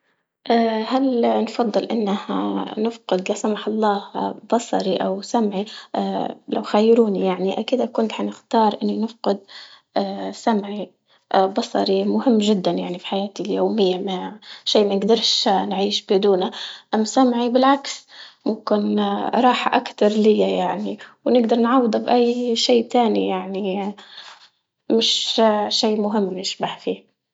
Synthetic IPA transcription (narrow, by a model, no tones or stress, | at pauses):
ʔaːhalnfɑd̪ˤːɨlʔɪnːaha̰nɪfqɪd̪lasamaħɑlˤːɑːhb̥ɑsˤɑ̰ɾiʔawsamʕi | la̰wxajːɾuːnijaʕniʔakiːd̪akʊnt̪ħanɪxt̪ɑːɾˤʔɪnːinɪfqɪd̪̚ | samʕi | bɑsˤɑ̰ɾimʊhɪmːʒɪd̪ːanjaʕnifi̥ħajaːt̪iljoːmɪjːamaʕʃiːʔmanɪɡd̪ɑɾˤʃanʕiːʃbad̪uːnaʔamːsamʕibɪlʕaksmʊmkɪnɾˤɑːħaʔakt̪ɑɾˤlɪjːajaʕniwnɪɡd̪ɑɾˤnʕɑwːd̪ˤɑbʔajːʃiːt̪aːnijaʕni | mɪʃʃiːmʊɦɪmːnɪʃbaħfiː